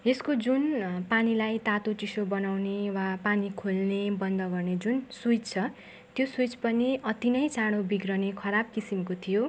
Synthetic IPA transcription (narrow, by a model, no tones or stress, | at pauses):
eskod͡zunpanilajt̪at̪ot͡sisobʌnawnewapanikʰolnebʌnd̪ʌɡʌrned͡zunsujt͡st͡sʰʌ | t̪josujt͡spʌniʌt̪inʌjt͡saɽ̃obiɡrʌnekʰʌɾab̚kisimkot̪ʰijo